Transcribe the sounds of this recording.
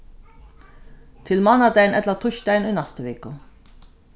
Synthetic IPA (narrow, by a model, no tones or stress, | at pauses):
t̪ʰɪlmɑnɑd̪æɪnɛt̪lət̪ʰʊçt̪æɪniːnɑst̪əʋeːkə